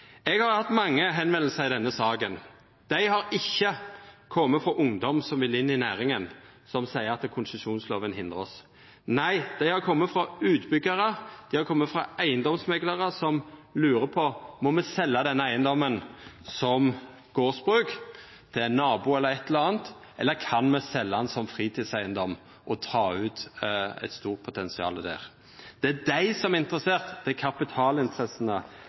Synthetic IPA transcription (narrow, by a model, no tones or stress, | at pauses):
ɛɡhɑɾʁhɑt̪ːmɑŋːəɦɛnʋɛnll̩səɾɪd̪ɛnːəsɑːɡən | d̪̥æɪhɑɾɪçːəkʰɔmːəfɾɔʔʊŋd̪ɔmsɔmʋɪlːɪnːɪnæːɾɪŋən | sɔmsæɪəɾɑt̪kʰʊnsəsuːnslo̰ːʋənhɪnd̪ʁə̰ɔ̰s | næɪd̪̥æɪhɑʁkʰɔmːəfɾɑʉːt̪bʏɡːəɾəd̪̥æɪhɑʁkʰɔmːəfɾɑæɪənd̪ɔmsmɛɡləʁəsɔmlʉːɾəpʰɔmɔmɛsɛlːɑd̪ɛnːəæɪənd̪ɔmːən | sɔm | ɡ̥oːsbɾʉːk | d̪̥ʰɪænːɑːbuːɛlːəɾɛt̪ʰːləɑːnt̪ | ʔɛlːəkʰɑnmɛsɛlːəɑnsɔmfɾiːt̪ʰiːd̪sæɪənd̪ɔmː | ʔɔt̪ʰɑːʉːt̪ɛ̰t̪st̪uːʁt̪̚pʰʊt̪ʰɛnsɪɑ̰ːləd̪æ̰ʁ | d̪̥ɛæd̪æɪsɔmæɪnt̪ɾəseːʁt̪d̪̥ɛækʰɑpɪt̪ʰɑːlɪnt̪ʰɾɛsːənə